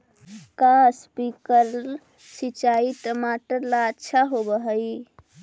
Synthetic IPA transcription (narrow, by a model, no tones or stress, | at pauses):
kaspikəɾ | sit͡ʃait̪əmaʈəlaʃʰaɦobəɦəj